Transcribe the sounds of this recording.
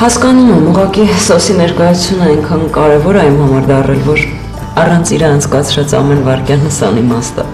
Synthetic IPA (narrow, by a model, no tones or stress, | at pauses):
hɑskɑnumɛmuʁɑkisɔsinɛɾkɑjɑut͡sʰjunəɑjŋkʰɑnkɑɾɛvɔɾɑjumhɑmɑɾd̪ɑrɛlvɔɾ | ɑrɑnt͡sʰiɾɑɑnt͡sʰkɑt͡sʰɾɑt͡sɑ̰mɛnvɑɾkjɑnəsɑ̰nimɑst̪ə̰